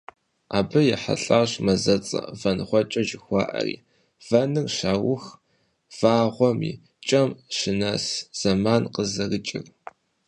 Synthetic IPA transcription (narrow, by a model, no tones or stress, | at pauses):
aːbɨjɛħa̰ɬʼaːɕmɐzɐt͡sʼɐ̰vɐnχʷɔt͡ʃʼɐʒɪxʷɑ̰ːʔɐ̰rḭː | v̥ɐnɨrʃaːwʊx | v̥aːʁʷɔmḭː | t͡ʃʼɐmʃɪnɐsz̥ɐmaːnqəzɐrɨt͡ʃʼɪr